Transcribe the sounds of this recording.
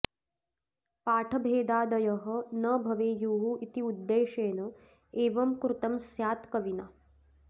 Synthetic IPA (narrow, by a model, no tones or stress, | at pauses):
paːʈʰɐbʱeːd̪aːd̪ɐjɐɦɐ̆nɐbʱɐʋeːjuːɦuit̪iud̪ːeːʃeːnɐ | eːʋɐmkɾut̪ɐmsjaːt̪kɐʋina